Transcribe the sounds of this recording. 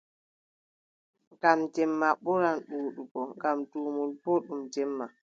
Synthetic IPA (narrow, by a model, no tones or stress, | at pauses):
ɡamtɛmːaɓɔɾanɗuːɗuɡɔŋɡamtuːmulpɔɗumtɛmːa